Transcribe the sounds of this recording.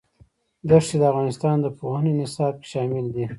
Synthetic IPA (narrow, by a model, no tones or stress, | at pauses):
d̪aʂed̪əavɣɑnɪst̪ɑnd̪əpohaninɪsɑb̚ke̥ʃɑmɪld̪i